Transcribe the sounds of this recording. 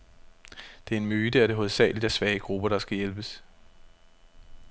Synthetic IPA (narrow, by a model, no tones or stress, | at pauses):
d̥e̝æe̝nmyːd̥əæɐɾ̥e̝ɦoðˠsɛ̰ːlid̥æsʋɛːəɡ̥ʁub̥ɐɾ̥ɑ̈sɡ̥æjelb̥əs